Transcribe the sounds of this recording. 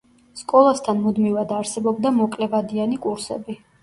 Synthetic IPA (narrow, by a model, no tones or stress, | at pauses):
skʼɔlˠast̪ʰanmud̪mivad̪aɾsɛbɔbd̪amɔkʼlɛvad̪ianikʼuɾsɛ̰bi